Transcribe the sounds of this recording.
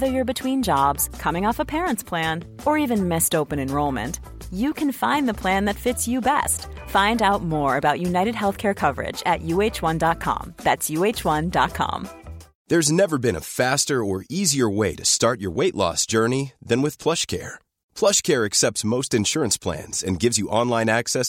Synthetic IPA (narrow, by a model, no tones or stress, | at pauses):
ðə˞jə˞bɨtʰw̥ĩnd͡ʒɑbz̥kʰʌmɪ̃ŋɔfəpʰɛɹə̃ntspʰl̥æ̃n | ə˞ivɨ̃nmɪstoʊpɨ̃nɨ̃nɹoʊlˠmɨ̰̃nt | jɨkʰɨ̃nfãɪ̃nðəpʰl̥æ̃nðɨtfɪtsjɨbɛ̰st | fãɪ̃ndaʊt̚mɔɹɨbaʊʔʉnaɪɾɨd̚ɦɛlˠθkʰɛɹkʰʌvə̰˞ɪ̰d͡ʒɨ̰ʔjʉeɪt͡ʃwʌ̃ndɑt̚kʰɑ̰̃mðætsjʉeɪt͡ʃwʌ̃ndɑ̰t̚kʰɑ̰̃m | ðə˞znɛvə˞bɨ̃ñə̰fæstə˞ə˞iziə˞weɪɾɨstɑɹt͡ʃə̰˞weɪʔˡlɔ̰sd̥ʒ̥ɜ˞niðɨ̃nwɨð̥pʰl̥ʌʃkʰɛ̰ɹ | pʰl̥ʌʃkʰɛɹɨksɛp̚tsmoʊstɨ̃nʃʊɹɨ̃nspʰl̥æ̰̃nz̥ɨ̰̃nɡɪvzjɨʔɑ̃nlãɪ̃næksɛs